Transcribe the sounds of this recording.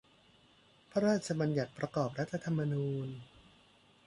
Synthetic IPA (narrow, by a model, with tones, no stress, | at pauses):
pʰa˥ɾaː˥˩t̪̚t͡ɕʰa˧ba˧nja˨˩t̪̚pɾa˧kɔː˨˩p̚ɾa˦˥t̪ʰːa˧t̪ʰa˧mːa˧nuː˧n